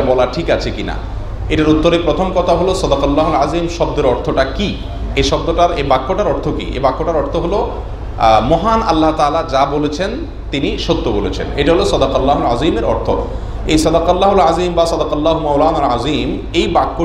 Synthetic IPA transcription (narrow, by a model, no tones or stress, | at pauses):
abɔlaʈʰikat͡ɕʰekina̰ | eʈaɾut̪ːoɾepɾot̪ʰomkɔt̪ʰaɦolosɔd̪aqalːaɦolazimʃɔb̚d̪eɾɔɾt̪ʰoʈaki | eʃɔb̚d̪oʈaɾebakːoʈaɾɔɾt̪ʰokḭʔḛbakːoʈaɾɔɾt̪ʰoɦolo | mɔɦanalːaɦt̪alad͡ʑabolet͡ɕʰen | t̪iniʃot̪ːobolet͡ɕʰḛneʈaɦolosɔd̪aqalːaɦolazimeɾɔ̰ɾt̪ʰo̰ | ejsɔd̪aqalːaɦolazimbasɔd̪aqalːaɦomɔwlaːnalazim | ejbakːo